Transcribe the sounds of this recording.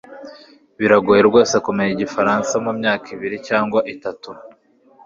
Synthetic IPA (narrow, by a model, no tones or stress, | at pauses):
βiɾaɡojeɾɡo̞ːse̞kumeɲiɟifaɾaːnsamumɲaːkiβiɾicaːŋɡwaʔitatu